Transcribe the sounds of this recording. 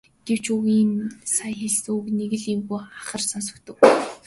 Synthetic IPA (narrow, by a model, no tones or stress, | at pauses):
ɡ̥ew̥t͡ɕuɣiːnsajxeɮsukneɣɘ̆ɮimɣujχaχə̆rsans̬ɵ̥̆kt̪ɵ̆w